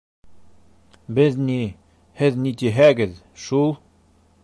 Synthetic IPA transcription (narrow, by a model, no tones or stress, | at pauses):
bɘðni | hɘðnit̪iɦæɡɘð | ʃulˠ